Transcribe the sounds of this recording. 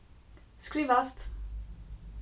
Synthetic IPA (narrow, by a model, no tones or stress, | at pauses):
skɾivast̪